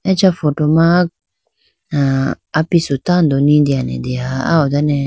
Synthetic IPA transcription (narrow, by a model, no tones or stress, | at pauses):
ɛt͡ʃafɔtɔmã | naː | pisut̪and̪ɔnĩd̪ianɛ̰d̪eaa̰ɔd̪anɛ